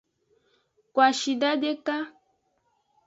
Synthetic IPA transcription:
kwa˨ʃi˨da˦dɛ˦ka˦

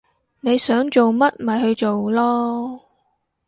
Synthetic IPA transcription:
ne˨˧jsœː˨˥ŋt͡ʃo˨wmɐ˥t̚m̩˨ɐ˨˩jɦɵ˧ɥt͡ʃo˨wlɔː˥

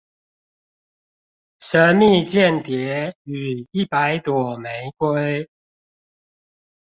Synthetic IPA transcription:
ʂə˧˦mi˥˧t͡ɕjɛ˥˨nt̪jɛ˨˦y˨˩i˥˩pa˨˦ɪt̪wɔ˨˩me˨˦ɪkwe˦˥ɪ

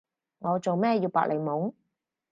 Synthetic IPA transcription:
ŋɔː˨˧t͡so˨wmɛː˥jiː˧wpa̰ː˨k̚lʔe˨˩jmʊ˨˥ŋ

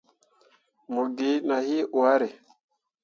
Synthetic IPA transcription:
mo˨ɡi˨˦na˨hi˦ʔwa˦ɾe˨

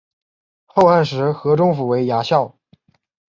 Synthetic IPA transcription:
xo˥˧ʊa˥˩nʂ̬ɻ̩˧˥xɤ˧˥ʈ͡ʂʊ˥ŋfu˨˩we˧˥ɪja˧˥ɕjɑ˥˩ʊ

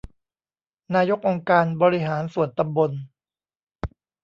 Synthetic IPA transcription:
naː˧jo˦˥k̚ʔo˧ŋkaː˧nbɔː˧ɾi˦˥ɦaː˩˦nsu˨˩ənt̪a˧mbo˧n

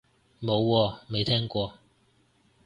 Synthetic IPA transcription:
mo˨˧wːɔː˧me˨jt̪ʰɛː˥ŋkʷɔː˧

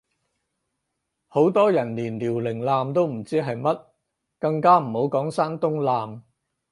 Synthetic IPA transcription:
ho˨˥wt̪ɔː˥jɐ˨˩nliː˨˩nliː˨˩wlɪ˨˩ŋlaː˨˧mt̪o˥wm̩˨˩t͡siː˥ɦɐ˨jmɐ˥t̚ | kɐ˧ŋkaː˥m̩˨˩ho˨˥wkɔː˨˥ŋsaː˥nt̪ʊ˥ŋlaː˨m

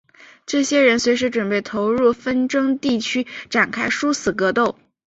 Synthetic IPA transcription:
ʈ͡ʂɤ˥˩ɕjɛ˥ɻə˧˥nswe˧˥ɪʂɻ̩˧˥ʈ͡ʂwə˨˩npe˥˩ɪt̪ʰo˧˥ʊɻu˥˩fə˥nʈ͡ʂɤ˥ŋt̪i˥˩t͡ɕʰy˥ʈ͡ʂa˨˩nkʰa˥ɪʂu˥sɹ̩˨˩kɤ˧˥t̪o˥˩ʊ

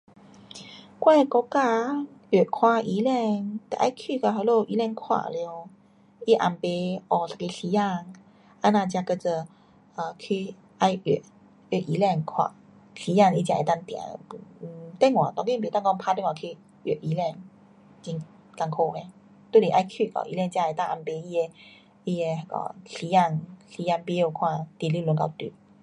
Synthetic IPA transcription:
kwa˥˧˨kɔ˧ka˥˧ɥe˨˩˨kʰwa˧i˧˦lɛ˥˧ŋt̪ḛ˨ʔa˧jkʰy˥˧˨ka˧ɦa˧˦lo˥˧˩ʔi˧˦lɛ˥˧˨ŋkʰwa̰˧˩˧ljo˧ | i˦ʔa̰˨˩mpe˧ʔɔ˧˩sa˧ki˧si˧˦ja˥˧ŋ | a˧˦nã˧t͡ɕja˧kə˧t͡sə˧˩ | ə˧˩kʰi˧ | a˧jḛ˨˩˨ | e˧˨˩ʔi˧˦lɛ˥˧˨ŋkʰwa̰˧˩ | si˧˦ja˥˧˨ŋi˧˩t͡ɕã˧˨ḛ˨t̪a˧ŋt̪jã̰˨˩˧t̪ɛ˥˧˨ŋwã̰˨t̪ɔ˧ŋi˥˧bi˨˦t̪a˥˧ŋkɔ˧ŋpʰa˧˦t̪ɛ˧˥˨ŋwa˨kʰi˧ | e˨˧˩ʔi˧˦lɛ˥˧˨ŋ | t͡ɕi˧ŋ | ta˧ŋkʰo˧˨hɛ̃˧˦ | t̪we˥˦˨li˨ʔa˧jkʰi˥˧˨kɔ̰˧˨ʔḭ˧lɛ˧ŋt͡ɕjã˧e˨˩t̪a˥˧˨ʔa˧mpe˧˦i˧e˧ | i˧e˧kɔ̰˧˩si˧˦ja˥˧˨ŋsi˧˦a˧ŋpi˧˦o˧kʰwã˥˧˨t̪i˧li˧˨lu˧˦ŋka˧˩t̪ḭ˧˩˦

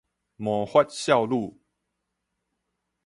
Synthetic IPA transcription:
mɔ˨˦hwa˦t̚ɕja˥˧ʊlu˥˨

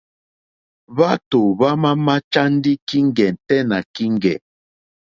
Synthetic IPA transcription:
βa˦to˨βa˦ma˦ma˦t͡ʃa˦n˦di˦ki˦ŋɡɛ˨n̩˨tɛ˦na˨ki˦ŋɡɛ̰˨

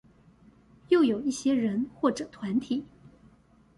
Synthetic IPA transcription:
jo˥˩ʊjo˨˩ʊi˥˩ɕjɛ˥ɻə˧˥nxwɔ˥˩ʈ͡ʂɤ˨˩t̪ʰwa˧˥nt̪ʰi˨˩˦

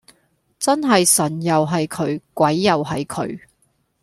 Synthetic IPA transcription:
t͡sɐ˥nɦɐ˨jsɐ˨˩njɐ˨wɦɐ˨jkʰɵ˨˥ɥkʷɐ˨˥jːɐ˨wɦɐ˨jkʰɵ̰˨˧˥ɥ

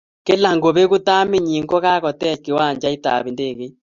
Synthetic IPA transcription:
ke˦la˨ŋɡo˨βe˦ɣo˦ta˦me˨ɲi˨ŋɡo˦ɣa˦ɣɔ˨tɛ˦˨ke˨wa˦˨ɲd͡ʒa˦i˦ta̰˨βi˨nde˦˨ɣe˦

